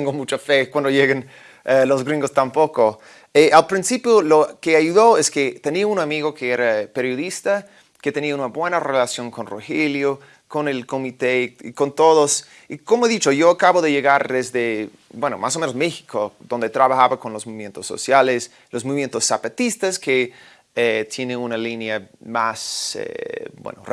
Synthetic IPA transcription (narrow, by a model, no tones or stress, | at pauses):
t̪eŋɡomut͡ʃafekwand̪ojeɣen | elozɡɾĩŋɡost̪ampoko | eʔalpɾinsipjolokeajuðoesket̪eniaunamiɣokeeɾapeɾjoðist̪a | ket̪eniaunabwe̞narelasjo̞ŋkonroxeljo | konelkomit̪eḭkont̪oðos | ikomoeðit͡ʃojoakaβoðe̞ʝeɣaɾðezðe | bweno̰mʔasomenosmexi̥kʰoðond̪et̪ɾaβaxaβakonlosmoβimjent̪osːo̰sjales | losmoimjent̪osːapat̪ist̪aske | et̪jeneunalinjama̰sḛbwḛno̰r